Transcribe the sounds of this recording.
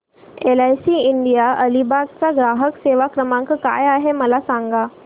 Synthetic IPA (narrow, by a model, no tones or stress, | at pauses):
elajsiːiɳɖijaʔəlibaɡ̚t͡saɡɾaɦəkseʋakɾəmãŋkka̰jaɦeməlasaŋɡa